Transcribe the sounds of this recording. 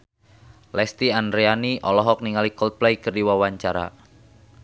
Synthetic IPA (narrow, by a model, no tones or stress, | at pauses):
lɛst̪iandɾeaniʔɔlɔɦɔk̚niŋalikɔlt̪̚plɛikərdiwawaɲt͡ʃaɾa̰